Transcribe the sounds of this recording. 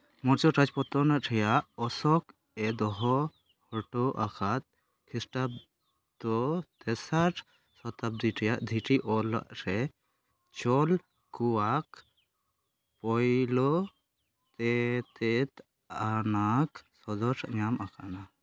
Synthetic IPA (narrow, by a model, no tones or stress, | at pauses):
mɔɾt͡ʃɔʈad͡ʒpɔt̪ɔnaʔʈʰɛjaʔɔsɔk | ɛd̪ɔɦɔ | hɔʈɔʔakʰat̪̚ | kʰisʈab̚ | t̪ɔt̪ɛsaʈʰ | sɔt̪ab̚d̪iʈʰɛjaʔd̪ʱiʈʰiʔɔla̰ʔɾɛ | t͡ʃɔl | kuwak | pɔjlɔ | t̪ɛt̪ɛt̪ | anaksɔzɔʈʰʔɲamakʰaʔna